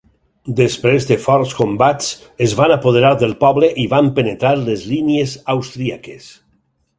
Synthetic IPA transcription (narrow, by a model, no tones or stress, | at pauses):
d̪espɾezðefɔɾskombat͡s | ezβanapoðeɾaɾðelˠpɔβleʔiβampenet̪ɾaɾlezliniezawst̪ɾiakes